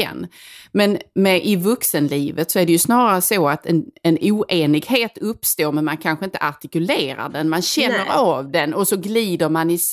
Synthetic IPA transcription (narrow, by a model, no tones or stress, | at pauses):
ɛ̰nːmɛnmɛʔɪvɵksənliːvət̪sɔæɖɛjɵsnɑːɾaɾəsoːat̪ʰɛnɛnuːʔeːnɪɡheːt̪ɵpːst̪oːɾmɛnmankʰanɧəɪnt̪ə̥ʔaʈ̪ɪkɵleːɾa̰ɖɛnmanɕɛnːəɾavd̪ɛnɔsɔɡliːd̪əɾmanɪs